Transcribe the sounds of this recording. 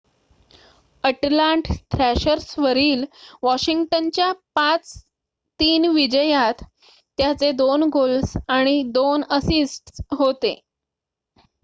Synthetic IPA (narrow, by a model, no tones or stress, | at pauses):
əʈlaɳʈt̪ʰɾæɕəɾsʋəɾiːlʋɔɕiŋɡʈənt͡ɕjapat͡s | t̪iːnʋid͡ʑəjat̪ː | jat͡sed̪onɡolsaɽ̃id̪onəsisʈsɦot̪e